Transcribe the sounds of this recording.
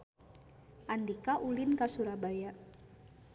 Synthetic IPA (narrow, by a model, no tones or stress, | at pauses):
ʔandikaʔulɪnkasuɾabaja